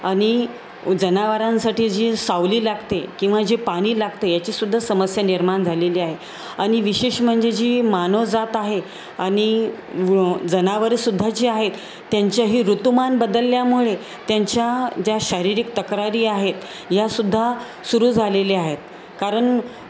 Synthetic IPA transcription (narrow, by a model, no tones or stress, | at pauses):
aɽ̃i | d͡zənaʋəɾãnsaʈiːd͡ʑisaʋliːlaɡt̪ekĩw̃ʋad͡ʑipaɽ̃iːlaɡt̪əjat͡ɕiːsud̪ʱːasəməsjaniɾmaɳd͡zʱaleliːaɦe | aɽ̃iʋiɕeɕm̤əɳd͡zed͡ʑiːmanəʋd͡zat̪aɦe | añi | d͡zənaʋəɾsud̪ʱːat͡ɕiːaɦet̪ː | jaɲt͡ɕjaɦiːɾut̪umanbəd̪əlːjamuɭe | t̪jaɲt͡ɕjad͡ʑjaɕəɾiɾik̚t̪əkɾaɾiːaɦet̪ | jasud̪ʱːa | suɾuːd͡zʱaleliaɦet̪̚ | kaɾəɳ